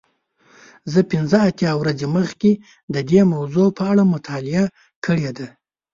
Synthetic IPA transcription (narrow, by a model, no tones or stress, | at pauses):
zəpɪnzəat̪jɑwɾazeməxkʲe | d̪əd̪emawzopəaɽamʊt̪ʰɑlɪa | kʰəɽed̪a